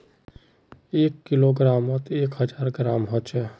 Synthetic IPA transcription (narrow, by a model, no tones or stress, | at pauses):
eːkːɪloɡɾaːmɔt̪eːkɦəd͡ʒaːɾɡɾaːmɦɔt͡ʃʰɛː